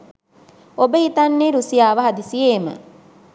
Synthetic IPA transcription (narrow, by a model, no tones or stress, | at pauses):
obəɦit̪anːeːɾusijaːʋəɦad̪isijeːmə̰